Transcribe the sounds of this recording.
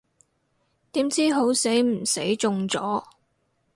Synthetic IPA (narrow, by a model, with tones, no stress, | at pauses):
t̪iː˨˥mt͡siː˥ɦo˨˥wse˨˥jm̩˨˩se˨˥jt͡sʊ˧ŋt͡sɔː˨˥